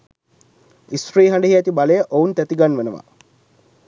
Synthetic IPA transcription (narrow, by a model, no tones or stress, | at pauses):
isɾiːɦaɳɖəɦiæt̪ibaləjəʔount̪æt̪iɡanʋenəʋa̰